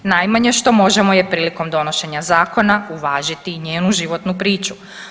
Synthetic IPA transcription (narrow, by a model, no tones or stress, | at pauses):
najmaɲeʃt̪o̞mo̞ʒe̞mo̞je̞pɾiːliko̞md̪o̞no̞ʃe̞ɲazaːko̞nauʋaːʒit̪iɲeːnuʒiʋo̞t̪nupɾiːt͡ʃu